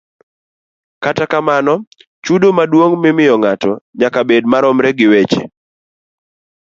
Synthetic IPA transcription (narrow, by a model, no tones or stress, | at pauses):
katakamanɔ | t͡ʃudomadwoŋmɪmɪjɔŋatɔɲakabedmaɾɔmɾɛɡɪwet͡ʃḛ